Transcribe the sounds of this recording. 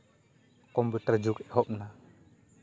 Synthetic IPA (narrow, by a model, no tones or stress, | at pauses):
kɔmput̪ərd͡ʒukɛhɔp̚na